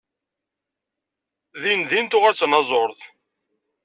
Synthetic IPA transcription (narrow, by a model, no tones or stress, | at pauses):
ðinðint̪ʊʁæt͡sːnɑzˤoɾθ